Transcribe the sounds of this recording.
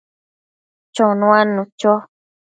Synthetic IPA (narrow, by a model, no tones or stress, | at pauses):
t͡ʃonũãnũt͡ʃo